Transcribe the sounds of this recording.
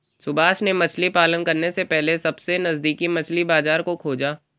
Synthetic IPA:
sʊbaːʃnemɐt͡ʃʰlipaːlənkɐɾnesepɛɦlesɐbsenɐzd̪iːkimɐt͡ʃʰlibaːzaːɾkokʰoːd͡ʒaː

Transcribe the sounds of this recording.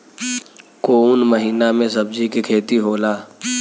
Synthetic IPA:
koʊnməɦiːnamẽsɐbd͡ʒikikʰeːt̪iɦoːlaː

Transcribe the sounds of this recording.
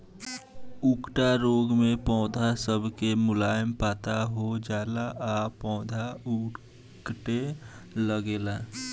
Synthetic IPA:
ʊkʈaɾoːɡmẽpɔ̃ːd̪ʱasəbʱkemʊlaːəmpaːt̪aɦod͡ʒaːlaʔapɔ̃ːd̪ʱaʊ | kʈe | ləɡeːlaː

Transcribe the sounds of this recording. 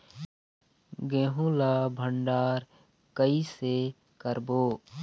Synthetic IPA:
ɡẽːɦũlaːbʱəɳɖaːɾ | kəise | kəɾboː

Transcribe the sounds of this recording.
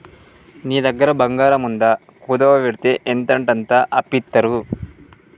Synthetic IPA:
niːd̪ɐɡːɐɾɐbɐŋɡaːɾɐmund̪ɐ | kuːd̪ɐʋɐʋeɾt̪eʔent̪ɐɳʈɐnt̪ɐʔɐpːit̪ːɐɾu

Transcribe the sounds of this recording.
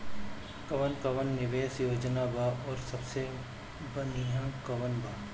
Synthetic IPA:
kɐʋənkɐʋənːɪʋeːsjoːd͡ʒənabaɔːɾsɐbse | bɐniɦãːkɐʋənbʱaː

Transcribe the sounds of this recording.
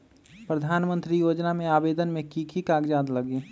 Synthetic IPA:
pɾəd̪ʱaːnmə̃nt̪ɾijoːd͡ʒnamẽaːbeːd̪ənmẽkiːkʰikaːɡd͡ʒaːd̪ləɡiː

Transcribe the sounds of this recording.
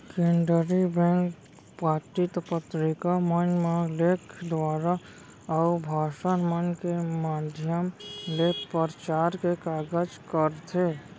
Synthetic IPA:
keɳɖəɾibɛ̃ŋk | paːʈit̪pət̪ɾɪkamənmalekʰd̪ʋaːɾa | ɔʊbʱaːʃənmənkemaːd̪ʱjəmlepəɾt͡ʃaːɾkekaːɡəd͡ʒkəɾt̪ʰe

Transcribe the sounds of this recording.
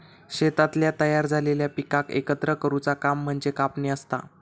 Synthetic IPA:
ɕet̪at̪ljat̪əjaɾd͡zʱaleljapikakḛkət̪ɾəkəɾut͡sakam̤ːəɳd͡zekapɳeəst̪a̰

